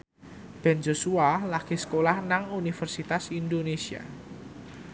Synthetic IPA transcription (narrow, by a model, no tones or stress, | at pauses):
b̥ɛnd͡ʒosualaɡ̥isə̥kolahnaŋunifərsit̪asindonesia̰